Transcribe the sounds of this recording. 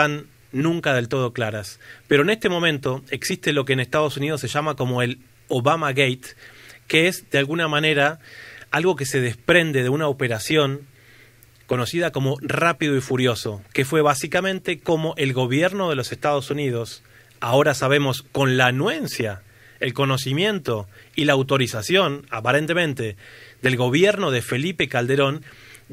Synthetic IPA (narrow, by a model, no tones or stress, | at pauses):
t̪anː | ũŋkaðe̞lt̪o̞ð̞o̞klaɾaspeɾo̞ene̞st̪e̞mo̞mẽnt̪o̞eksist̪e̞lo̞k̬eːnest̪að̞o̞sunið̞o̞sːeʒamako̞mo̞e̞l | oβamaɣejt̪keezd̪ealɣunamane̞ɾaalɣo̞ke̞se̞ð̞espɾe̞nd̪e̞ðeunaope̞ɾasjo̞ŋ | ko̞no̞siðako̞mo̞rapiðoifuɾjo̞so̞ke̞fwe̞βasikamẽ̞nt̪e̞ko̞mo̞ʔe̞lɣo̞βjeɾno̞ð̞e̞lo̞sest̪aðo̞sunið̞o̞s | ao̞ɾasaβ̞e̞mo̞sko̞nlanwe̞nsja | elko̞no̞s̬imjẽ̞nt̪o̞ilaːwt̪o̞ɾisasjo̞napaɾe̞nt̪e̞mẽ̞nt̪e̞d̪e̞lɣo̞β̞jeɾno̞ð̞e̞fe̞lipe̞kald̪e̞ɾo̞n